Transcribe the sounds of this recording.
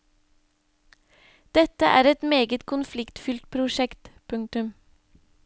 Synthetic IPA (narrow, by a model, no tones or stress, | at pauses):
d̪̥ɛt̪əʔæːɾɛt̪meːɡət̪kʰʊnflɪkt̪fʏlt̪̚pʰɾʊʃɛkt̪pʰʉŋt̪ʉm